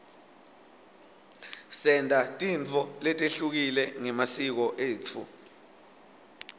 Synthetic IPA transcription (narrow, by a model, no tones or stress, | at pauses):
sɛndʱatʼint͡fʰɔlɛtʼeɬuk̬ilɛŋɛmasik̬ɔʔeːt͡fʰṵ